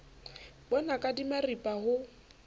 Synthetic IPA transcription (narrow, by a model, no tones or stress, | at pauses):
bɔnakʼadimaripʼahʊ